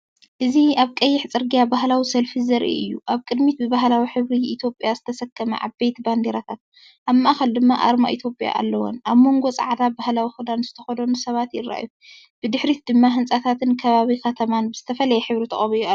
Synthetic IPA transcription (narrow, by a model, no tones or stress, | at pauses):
ʔɨziaβkʼɐjːɪħt͡sʼɨɾɡijabahlawisɐlfizɐɾʔḭʔɨ̰jːuʔaβkʼɨd̪mit̪̚bɨβaɦlawiħɨβɾiʔːt̪ʰjo̞pʼjazɨt̪ʰɐsɐkʰːɐmɐ̰ʔa̰βbejt̪band̪eɾat̪ʰat̪̚ | ʔaβmɐʔaxɐld̪ɨmːaʔa̰ɾma̰ʔit̪ʰjo̞pʼja̰ʔa̰lːɐwo̰nʔaβmo̞ŋɡo̞t͡sʼa̰ʕd̪abahlawixɨd̪anzɨt̪ʰɐxɐd̪ɐnusɐβat̪jɪra̰ʔju | b̥ɨd̪ɨħɾit̪̚d̪ɨmːaɦɨnt͡sʼat̪ʰat̪ɨnkʰɐβaβikɐt̪ʰɐmanbɨz̥ɨt̪ʰɐfɐlɐjɛħɨβɾit̪ʰɐ̰χʼɐβij